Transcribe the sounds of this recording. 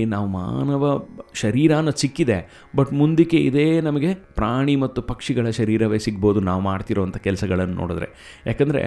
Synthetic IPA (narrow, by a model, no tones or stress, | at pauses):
naːʋuma̰ːnɐʋɐʃɐɾiːɾaːnːɐsikːid̪e̞ | bɐʈːmund̪ikːeḭd̪e̞ːnɐmɐɡe̞pɾaːɳimɐt̪ːupɐkʂiɡɐɭɐʃɐɾiːɾɐʋeːsiɡbo̞ːd̪unaːʋumaːɽt̪iɾoʋɐnt̪ʰɐkɛlɐsɐɡɐɭɐnːunʔo̰ːɽid̪ɾe̞̰ | jaːkɐnd̪ɐɾḛ